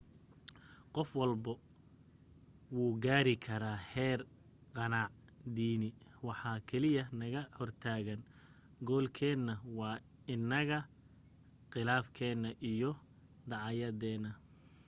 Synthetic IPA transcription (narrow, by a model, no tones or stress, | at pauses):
qɔfwɑlbɐ | wuːɡaːɾɪkʰɐɾaːhɛːr | qɑnaːʕ | d̪iːnɪwɑħɑːkʰɛlɪjɐnɐɣɐhɔrt̪ʰaːɣɐn | ɡɔːlkʰɛːnːɐwɑː | ɪnːɐɣɐ | qɪlaːfkʰɛːnːɐʔijɔ | d̪ɑʕɑjɐðɛːnɐ